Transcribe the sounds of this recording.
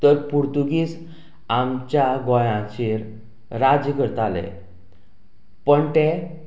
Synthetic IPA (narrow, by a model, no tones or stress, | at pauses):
t̪əɾpuɾt̪uɡiːs | amt͡ɕjaɡɔ̃jãt͡ɕiɾ | ɾad͡ʑəkəɾt̪alḛ | pəɳt̪e